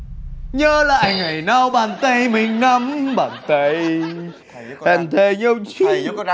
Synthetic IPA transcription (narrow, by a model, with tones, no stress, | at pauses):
ɲəː˧la̰ː˧˨jŋa˨˩jna˧˩wɓaː˨˩nt̪ə˧˩jmi˨ŋna˧mɓaː˨˩nt̪ə˧˩j | ha˨˩nt̪ʰe˧˩ɲə˧w